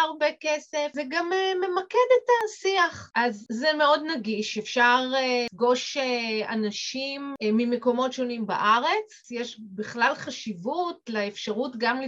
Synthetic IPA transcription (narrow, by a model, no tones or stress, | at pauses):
aʁbekesefzeɡameme̞makedetasiaχʔazːemeo̞dnaɡiʃefʃaʁɡo̞ʃea̰naʃimmimeko̞mo̞tʃonimba̰ʔaʁe̞t͡s | jeʃbiχlalχaʃivutleefʃaʁutɡamli